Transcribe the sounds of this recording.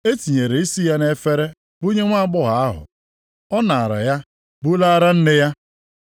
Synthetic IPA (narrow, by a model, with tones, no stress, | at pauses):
e˦ti˨ɲe˨ɾe˨i˦si˦ja˦ne˦fe˦ɾe˦ | bu˦ɲe˦ŋʷa˦a˦˨ɡ͡bʊ˦ɦa˨a˦ɦʊ̰˨ | ɔ˦na˨a˨ɾa̰˨ja˦ | bu˦la˦a˦ɾa˦n̩˦ne˦ja˦